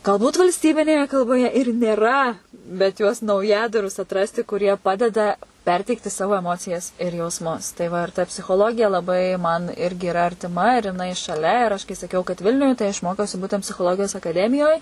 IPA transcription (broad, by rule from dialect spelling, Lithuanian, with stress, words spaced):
ɡɐlˠˈbuːt ʋɐlʲsʲˈtʲiːbʲɪnʲeːjɛ kɐlˠboːˈjɛ ɪr nʲeːˈrɐ bʲɛt juɔs nɐʊˈjæːdɐrʊs ɐtˈrɑːsʲtʲɪ kʊˈrʲiɛ ˈpɑːdʲɛdɐ ˈpʲɛrʲtʲɛɪktʲɪ ˈsɑːʋoː ɛˈmoːt͡sʲɪjɛs ɪr jɛʊsˈmʊs tɐɪ ʋɐ ɪr tɐ pʲsʲɪxoːˈlˠoːɡʲɪjɛ lˠɐˈbɐɪ mɐn ˈɪrʲɡʲɪ ɪˈrɐ ɐrʲtʲɪˈmɐ ɪr jɪˈnɐɪ ʃɐˈlʲɛ ɪr ˈɐʃ kɐɪ sɐˈkʲɛʊ kɐt ˈʋʲɪlʲnʲʊj tɐɪ ɐʃ ˈmoːkʲɛʊsʲɪ ˈbuːtʲɛnt pʲsʲɪxoːˈlˠoːɡʲɪjoːs ɐkɐˈdʲæːmʲɪjoːj